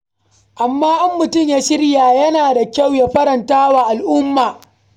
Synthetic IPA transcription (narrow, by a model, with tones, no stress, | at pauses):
ʔa˨mːaː˦ʔa˦mːʊ˨tʊ˦mjaː˦ʃɪ˦rjaː˨jɐ˦naː˨da˨kʲa˦˨wja˦ɸɐ˦ɾɐ˨ntaː˦waː˨ʔa˨lʔʊ˦mːaː˨